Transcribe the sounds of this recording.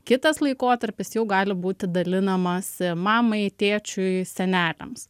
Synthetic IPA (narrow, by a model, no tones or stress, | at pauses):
kʲɪt̪ɐslˠɐɪkoːt̪ɐɾʲpʲɪsjɛʊɡɑːlʲɪbuːt̪ʲɪd̪ɐlʲɪnɐmɐsmɑːmɐɪt̪ʲeːt͡ʃʲʊɪsʲɛnʲæːlʲɛ̰ms